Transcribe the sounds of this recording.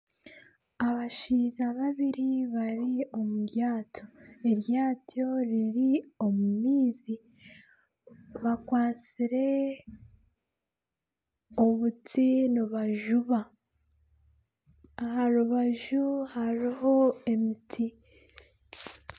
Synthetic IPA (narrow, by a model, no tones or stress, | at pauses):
aβaʃiːzaβaβiɾiβaɾio̞muɾjaːtʰoeɾjaːtjo̞ɾiɾio̞mumiːzi | βakwaːt͡siɾe̞ | oβutinuβaʒuβa | haɾuβaʒuhaɾiɦo̞e̞mitʰi